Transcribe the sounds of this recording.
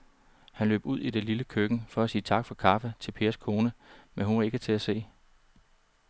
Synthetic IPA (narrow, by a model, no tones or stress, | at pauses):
hænlø̰ːb̥uð̞̰ˠid̥eliləkʰøɡ̥n̩fɒ̽æsiːt͡sʰɑ̈ɡ̥fɒ̽kʰɑ̈fət͡sʰe̝lpʰe̝ːɐskʰo̝ːnəmenɦuʋɑe̝ɡ̥ət͡sʰe̝æse̝̰ː